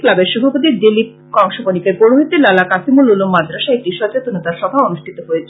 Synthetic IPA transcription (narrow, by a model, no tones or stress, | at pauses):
klabeɾʃɔbʱapot̪̬iɾd̪ilip̚ | kɔŋʃobonikeɡoɽoɦit̪ːelalakasimululumːad̪ɾaʃaek̚ʈiʃɔd͡ʑot̪onot̪aɾʃɔbʱaonuʃʈʰit̪oɦojet͡ɕʰ